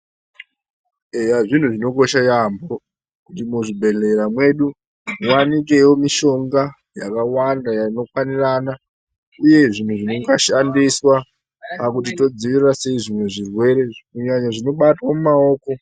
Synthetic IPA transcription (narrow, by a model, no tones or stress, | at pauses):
ejaʐin̤uʐino̞ko̞ʃajambo̞ | kutimuʐibʱe̞ɮe̞ɾamwe̞ɗu | wanik̬e̞wo̞miʃo̞ŋɡa | jakawandajano̞kwanirana | uje̞ʐin̤uʐino̞ŋɡaʃandiswa | pakutito̞d͡ziʋirase̞iʐimweʐirwe̞ɾe̞kuɲaɲaʐino̞ɓatwamumao̞ːko̞